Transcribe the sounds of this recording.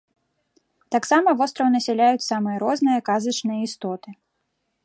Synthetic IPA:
t̪aksamɐvɔst̪ɾɐwnɐsʲɛlʲajut͡sʲsamɨjɐɾɔznɨjɐkazɐt͡ʂnɨjɐist̪ɔt̪ɨ

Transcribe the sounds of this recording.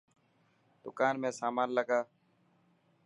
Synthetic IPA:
d̪̥ʊkaːnmẽːsaːmaːnləɡaː

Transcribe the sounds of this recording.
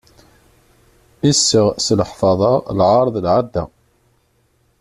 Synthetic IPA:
isːəʁsləħfɑðˤɑlʕɑɾˤðˤlʕad̪ːæ̰

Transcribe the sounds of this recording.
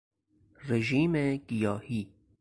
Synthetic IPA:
ɾeʒiːmeɡ̥ijɒːhiː

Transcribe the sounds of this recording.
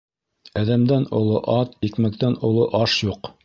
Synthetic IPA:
æðæmd̪ænŏlˠoʔɑt̪ikmæk̚t̪ænŏlˠoʔɑʃjuq

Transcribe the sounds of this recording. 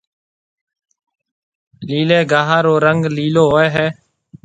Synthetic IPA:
liːleːɡaːɦaːɾoːɾəŋɡliːloːɦoeːɦɛː

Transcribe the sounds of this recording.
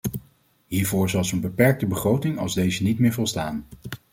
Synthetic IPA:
ɦiːɹvʊːɹzɑlˠzonbəpɛɹk̚təbəχrowtɪŋɑ̰lˠzdejzənitmɪːɹvɔlˠstaːn

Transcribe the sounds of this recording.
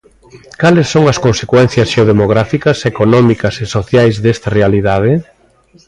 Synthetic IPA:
kalɪsːoŋɐskonsekwɛn̟θjɐsʃeoð̞emoɣ̞ɾafikɐsekonɔmikɐsesoθjajzðest̪ɐrealiðað̞ɪ

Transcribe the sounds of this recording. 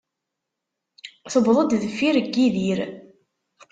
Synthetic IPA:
θəbðˤəd̪ðəfiɾəɡːiðiɾ

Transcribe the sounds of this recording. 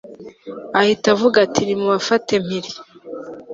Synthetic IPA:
ahitavuɡatʰinimuβafate̞m̥hiɾi

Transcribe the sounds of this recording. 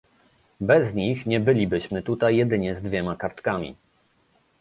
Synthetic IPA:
bɛzɲixɲɛbɘlʲibɘɕmɘt̪ut̪ajːɛd̪ɘɲɛzd̪vʲjɛmakaɾt̪kamʲḭ

